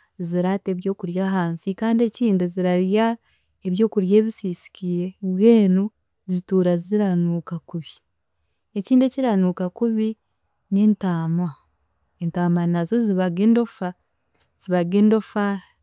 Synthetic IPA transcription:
ziɾate̞βjo̞ːkuɾjaɦaːnsikaːndie̞ciːnduziɾaɾja | eβjo̞ːkuɾje̞ːβisiːsi̥kiɾeβweːnu | zituːɾaziɾanuːkakuβi | eciːndeciɾanuːkakuβi | ne̞ːntaːma | entaːmanazoziβaɡeːndo̞fa | z̥iβaɡendofa

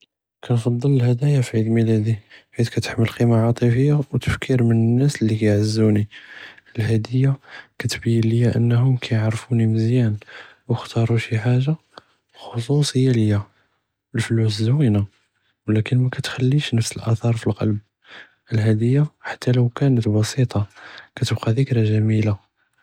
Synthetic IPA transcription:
kænfɑd̪ˤːələlhæd̪æjafʕid̪lmilæd̪iħit̪kæt̪ə̥ħməlqimaʕɑt̪ˤifəjːawt̪ə̥fkʰiɾmənənːæslːikæjʕəzːuniəlhæd̪əjːakæt̪bəjːəlləjːaʔə̰nːhʊmkʰæjəʕɾfuniməzjæn | wəxt̪ɑɾˤuʃiħaʒːa | xos̬usˤhəjːaləjːa | əlfluszwina | wlækənmækæt̪xælːiʃnəfsəlʔæθɑɾˤfilqɑ̰lb̚ | ʔəlɦæd̪əjːaħḁt̪ʰːæləwkænət̪bɑsit̪ˤɑkæt̪əbqɑðəkɾæʒæmila

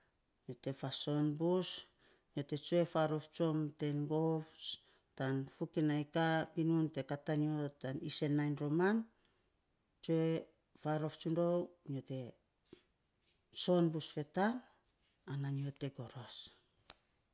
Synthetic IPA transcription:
note̞faso̞nbus | nio̞te̞t͡ʃoefaɾo̞ft͡ʃo̞mte̞nɡof | tanfukinajkapinunte̞kataniotanise̞nːajnɾo̞man | t͡ʃoe | faɾo̞ft͡ʃundowniote̞ | so̞nbusfe̞tam | ananiote̞ɡo̞ɾos

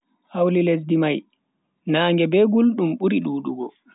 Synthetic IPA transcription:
hawliles̬dimaj | naːŋɡɛbɛɡulɗumɓuɾiɗuːɗuɡɔ

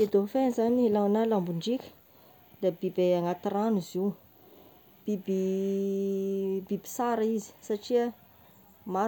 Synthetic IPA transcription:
ed̪ofenizanielanalambuɳɖ͡ʐikʲə̥ | d̪abibeaŋat̪iraniziw | b̥ibi | bibi̥saɾəizi̥saʈ͡ʂiə | ma

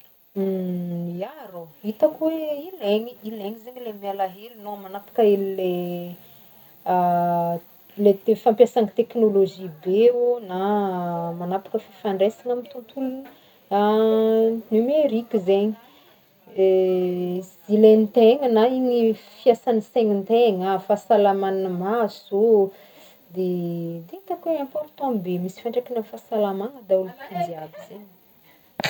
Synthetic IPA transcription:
jaɾoit̪akweileɲiileŋizeɲilemialaɦelinoamanapḁkəelile | let̪efampjasaŋit̪eknoloʒibeona | manapḁkəfifaɳɖ͡ʐesiŋamit̪unt̪ulun | a | nymeɾikʲizeɲi̥ | zilent̪eŋənaiɲifiasaniseŋint̪eŋafasalamannəmazo | d̪ed̪et̪akweɛ̃mpɔɾt̪ɔ̃bemisi̥fãɳʈ͡ʂekinənfasalamaŋəd̪aulut̪iziavizeɲ

